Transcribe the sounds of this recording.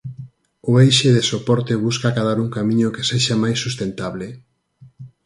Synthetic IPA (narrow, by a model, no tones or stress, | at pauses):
oejʃeðesopɔɾt̪eβuskakaðaɾuŋkamĩɲokeseʃamajsːust̪ent̪aβle